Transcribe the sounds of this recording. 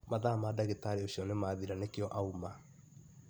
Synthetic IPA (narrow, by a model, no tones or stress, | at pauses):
maðaːmadaɣetaɾeoɕiɔnemaːðiɾanekejɔʔauma